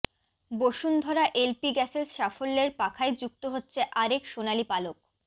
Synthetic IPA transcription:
boʃund̪ʱɔɾaʔelpiɡɛsesʃafolːeɾpakʰaed͡ʑuk̚t̪oɦotːɕʰeʔaɾekʃonalipalok̚

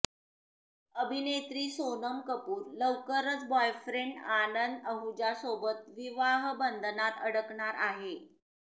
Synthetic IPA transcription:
əbʱinet̪ɾiːsonəmkəpuːɾləwkəɾət͡sbɔjfɾeɳɖanənd̪əɦud͡ʑasobət̪ʋiʋaɦbənd̪ʱnat̪əɽəkɳaɾaɦe

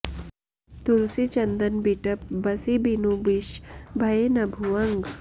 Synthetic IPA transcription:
t̪uɾsit͡ʃɐnd̪ənbiʈəp̚bəsibinubiʃbʱaenabʱuaŋɡ

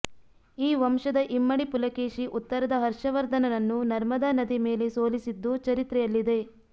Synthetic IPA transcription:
iːʋɐmʃɐd̪ɐʔimːɐɽipulɐkeːʃiʔut̪ːɐɾɐd̪ɐɦɐɾʂɐʋɐɾd̪ɐnɐnɐnːunɐɾmɐd̪aːnɐd̪ime̞ːle̞soːlisid̪ːut͡ʃɐɾit̪ɾɛjɐlːid̪e̞

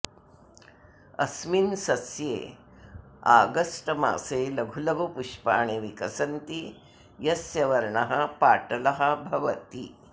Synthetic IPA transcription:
ɐ̰sminsɐsjḛ | a̰ɡəsʈəma̰ːselɐɡʱulɐɡopuʂpa̰ːɳ̃eʋikɐsɐnt̪i | jɐsjɐʋɐɾɳɐɦɐpaːʈɐlɐɦɐbʱɐʋɐt̪ḭ

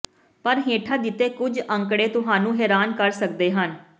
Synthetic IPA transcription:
pəɾɦẽːʈʰaːd̪ɪt̪ːeːkʊd͡ʒəŋkɽeːt̪ʊɦaːnũːɦɛːɾaːnkəɾsək̚d̪eːɦən

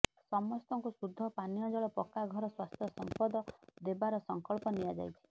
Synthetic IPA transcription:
sɔmɔst̪ɔŋkusud̪ʱːɔpanijɔd͡ʒɔɭɔpɔkaɡʱɔɾɔswast̪ʰjɔsɔmpɔd̪ɔd̪ebaɾɔsɔŋkɔɭpɔnijad͡ʒa̰jt͡ʃʰi̥

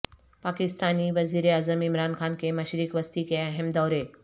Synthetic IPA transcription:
paːkɪst̪aːniʋɐziːɾeaːzəmɪmɾaːnxaːnkemɐʃɾikʋɐst̪ikeɐɦɛmd̪ɔːɾe

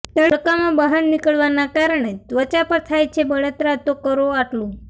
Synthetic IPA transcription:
t̪əkamãbəɦannikəɭʋanakaɾəɳet̪ʋət͡ɕapəɾt̪ʰajt͡ʃʰebəɭət̪ɾat̪okəɾoaʈlũ

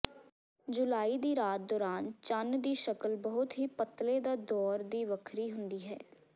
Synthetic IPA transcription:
d͡ʒʊlaːiːd̪iːɾaːt̪̚d̪ɔːɾaːnt͡ʃənd̪iːʃəkəlbəɦʊt̪ɦiːpət̪lẽːd̪aːd̪ɔːɾd̪iːʋəkʰɾiːɦʊnd̪iːɦɛː

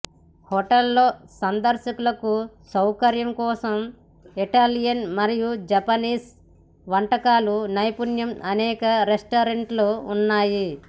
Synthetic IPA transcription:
hɔʈɐlːoːsɐnd̪ɐɾʃɐkulɐkusɐwkɐɾjɐmkɔːsɐm | iʈaːlijɐnmɐɾijud͡ʒɐpɐniːs | ʋɐɳʈɐkaːlunɐjpunjɐmʔɐnɛːkɐɾesʈoːɾeɳʈloːunːaːji

